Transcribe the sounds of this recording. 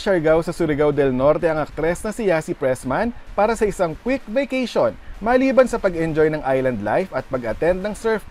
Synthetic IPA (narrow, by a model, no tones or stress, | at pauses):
ʃɐɹɡawsɐsʊɾɪɡawd̪ɛlnoɾt̪ɛɐŋɐk̚t̪ɾɛsnɐsɪjasipɹɛsmanpaːɾɐsɐʔɪsɐŋkwik̚vejkɛjʃonmɐːliːbɐnsɐpɐɡɛnd͡ʒojnɐŋʔajlɐnd̪lajfɐt̪̚pɐɡɐt̪ɛnd̪̚nɐŋsɛɹf